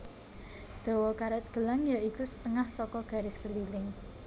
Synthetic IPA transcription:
d̪̥o̤wɔkaɾət̪̚ɡ̥ə̤laŋjaʔikusə̥t̪əŋahsɔkɔɡ̥a̤ɾɪskəlilɪŋ

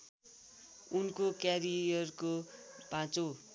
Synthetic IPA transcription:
unkokjaɾijʌrkob̥ʱãt͡so

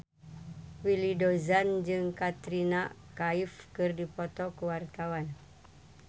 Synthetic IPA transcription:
wilidozand͡ʒɨŋkat̪ɾinakaifkɨrdipɔt̪ɔkəwart̪awan

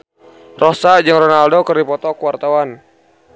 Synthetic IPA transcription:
rɔsad͡ʒɨŋrɔnaldokərdipɔt̪ɔkuwart̪awan

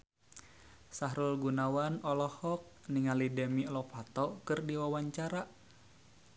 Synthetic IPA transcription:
saɦɾulɡunawanɔlɔhɔk̚ | niŋalidɛmilɔpat̪ɔkɨrdiwawaɲt͡ʃaɾaʔ

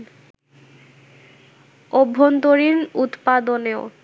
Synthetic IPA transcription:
obʱːont̪oɾinut̪pad̪oneo

